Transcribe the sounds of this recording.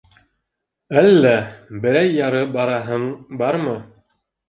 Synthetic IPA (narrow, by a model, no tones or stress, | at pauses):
ælːæbɘ̆ɾæjːɑɾɤbɑɾɑɦɤɴbɑɾmɤ